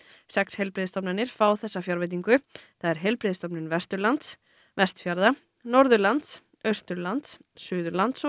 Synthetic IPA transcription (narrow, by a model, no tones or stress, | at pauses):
sɛkshejlpɾɪðst̪ɔpnanːɪɾ̥faːwθɛsːafjawɾvɛt̪̬iŋkʏθaðɛɾɦejlpɾɪːðst̪ɔpnɪnvɛst̪ʏɾlant̪s | vɛst̪fjaɾða | nɔɾðʏlant̪s | œst̪ʏlant̪s | sʏːðʏlant̪s